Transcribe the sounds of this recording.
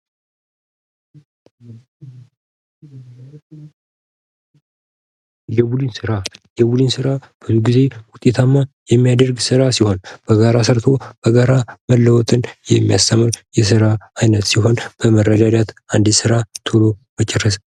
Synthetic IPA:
jɛbud̪ɨnsɨɾajɛbulɨnsɨɾab̥ɨzuɡize̞wʊt̪ʼːe̞t̪ʰamːajɛmːijad̪əɾɡsɨɾasiho̞nb̥əɡaɾasəɾt̪ʰo̞b̥əɡaɾaməlːəwɔt̪ʼɨnjɛmːijast̪ʰəmɨɾjɛs̬ɨɾaajnət̪siho̞nb̥əmərːəd̪ad̪at̪and̪isɨɾat̪ʰolo̞mət͡ʃʼɛrːəs

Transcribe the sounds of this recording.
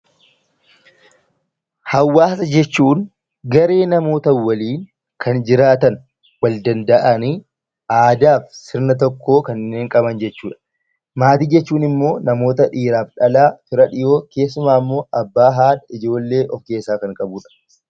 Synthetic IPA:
hɐwːaːsɐd͡ʒɛt͡ʃːuːŋ | ɡɐɾe̞ːnɐmo̞ːt̪ɐwɐliːŋ | kʰɐnd͡ʒɪɾaːt̪ɐn | wɐld̪ɐnd̪ɐʔɐni | ʔaːd̪aːfsɪɾnɐt̪̬ɔkːo̞ːkɐnːe̞ːŋkʼɐbɐnd͡ʒɛt͡ʃːuːᶑɐ̥ | maːt̪iːd͡ʒɛt͡ʃːuːnɪmːo̞ːnɐmo̞ːt̪ɐᶑiːɾaːfᶑɐlaːfɪɾɐᶑɪjo̞ːke̞ːsːʊmaːɪmːo̞ːʔɐbːaːɦaːᶑɐɪd͡ʒo̞ːlːe̞ːʔɔfke̞ːsːaːkɐŋkʼɐbuːᶑɐ̥

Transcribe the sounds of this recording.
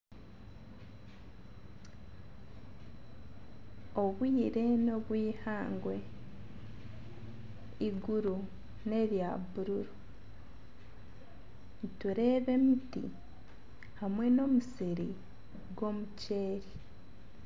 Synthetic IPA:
o̞βwiːɾe̞no̞βwiːhaːŋɡwe̞ | iɡuɾu | ne̞βjaːβuɾuɾu | nituɾe̞βe̞mitḭ | hamwe̞no̞musiɾi | ɡwo̞muce̞ːɾi

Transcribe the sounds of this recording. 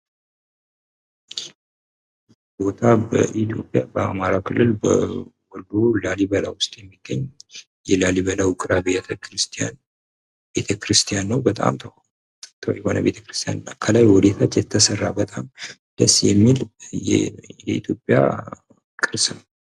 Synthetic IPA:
bo̞t̪ʰabəʔit̪jo̞pʼjabəa̰maɾakʰɨlːɨlbəwɔlːolalibəlawʊst̪ʼjɛmːiɡ̥ːəɲ | jɛlaliβəlawukʼɨɾabet̪ʰɾɨst̪ʰjan | be̞t̪ʰəkʰɾɨst̪ʰijanːəwbət̪ʼa̰mt̪ʰə | t̪ʰjɛho̞nə̰be̞̰t̪ʰəkɾɨst̪ʰija̰nɨnːakʰəlajwɔd̪et̪ʰat̪jɛt̪ʰːəsərːabət̪ʼamd̪̥əsjɛmːil | jɛḭt̪ʰjo̞pʼːja̰ | kʼɨɾsɨnə

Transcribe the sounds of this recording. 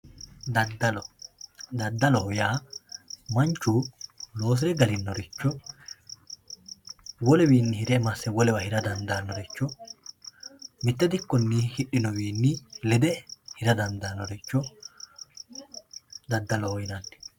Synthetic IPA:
d̪ɐd̪ɐlɔ | d̪ɐd̪ːɐlɔhɔjaː | mɐnt͡ʃːulo̞ːs̬ɪɾɛɡɐlɪnːɔɾɪt͡ʃːɔ | wɔlɛwiːnːɪhɪɾɛmɐsːɛwɔlɛwɐhɪɾɐd̪ɐnd̪aːnːɔɾɛt͡ʃːɔ | mɪt̪ːɛd̪ɪkːɔnːihɪʔːɪnɔwiːnːɪlɛd̪ɛhɪɾɐd̪ɐnd̪anːɔɾɪt͡ʃːɔ | d̪ɐd̪ːɐlɔhɔjnɐnːɪ̥

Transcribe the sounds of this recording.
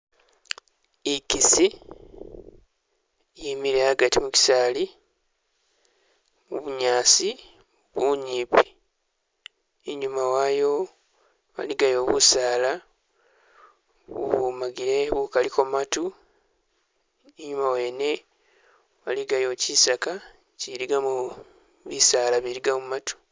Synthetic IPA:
ikisi | jimiɾeaɡatimuci̥saːli | mṵβuɲaːsi | uβuɲiːpi̥ | eɲumawaːjo̞ | wa̰liɡajo̞ːβusaːla | βṵβumaɡiɾe̞βukalikomatu | eɲumawe̞ːne̞ | wa̰liɡajo̞cisaka | ciɾiɡamu | βisaːlaβiɾiɡamumatu̥

